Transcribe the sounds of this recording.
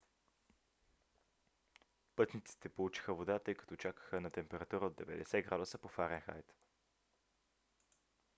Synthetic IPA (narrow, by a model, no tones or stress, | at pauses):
pɤt̪nit̪si̥t̪ɛpolˠut͡ʃi̥xəvod̪at̪ɤjkə̥t̪ot͡ʃakə̥xənɐt̪ɛmpɛɾɐt̪uɾəod̪d̪ɛvɛ̰d̪ɛsɛɡɾad̪ʊsəpofaɾɛnxa̰jt̪